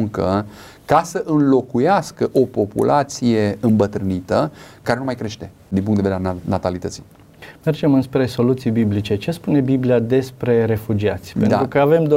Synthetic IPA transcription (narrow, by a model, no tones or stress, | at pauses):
ŋkə | kasəʔɨnlo̞kujaskəʔo̞po̞pṵlʔat̪sije̞ɨmbət̪ɾɨnit̪əkaɾenumajkɾe̞ʃt̪e̞ | d̪inpuŋk̪d̪edeɾnat̪alit̪ət̪si | me̞rd͡ʒe̞mɨnspɾe̞so̞lut̪sijbiblit͡ʃe̞t͡ʃe̞spune̞bibliad̪e̞spɾe̞ɾe̞fud͡ʒiat̪sʲpenɾukəave̞md̪